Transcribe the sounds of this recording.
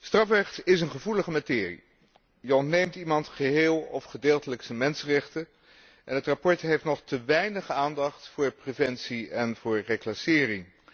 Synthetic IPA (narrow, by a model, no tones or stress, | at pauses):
strɑfrɛχtɪsənχəvuləχəmatɪːrḭ | jəɔntnejmtimɑntχəɦɪːlˠɔfχədeːlˠtələksəmɛnsərɛχtə | ʔɛnɦətrapɔɹtɦejftnɔχtəʋɛjnəχaːndɑχtfʊːɹprevɛnsiɛnvʊːɹreklasɪːrɪŋ